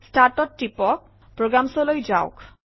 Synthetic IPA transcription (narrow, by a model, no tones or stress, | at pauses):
sʈaɾʈɔʈ̚ʈipɔk̚ | pɾoɡɾamsolojd͡ʑaʊk